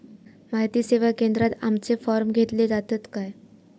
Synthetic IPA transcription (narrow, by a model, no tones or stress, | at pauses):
majt̪iːseʋakend̪ɾat̪amt͡sefɔɾmɡʱet̪led͡zat̪ət̪kaj